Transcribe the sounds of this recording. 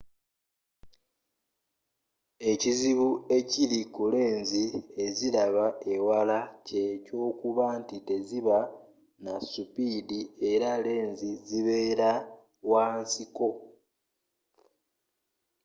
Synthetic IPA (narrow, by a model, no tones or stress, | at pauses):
e̞ciziβue̞cilikule̞ːnzie̞ziɾaβaewalace̞co̞ːkuβaːntite̞ziβa | nasupiːdie̞ɾale̞ːnziziβe̞ːɾa | waːnsiko̞